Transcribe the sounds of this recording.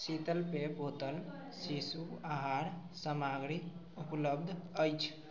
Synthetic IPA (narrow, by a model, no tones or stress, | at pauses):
sit̪əlpepɦot̪əl | sisuaɦaɾ | səmaɡɾi | upləb̚d̪ʱəjt͡ʃʰ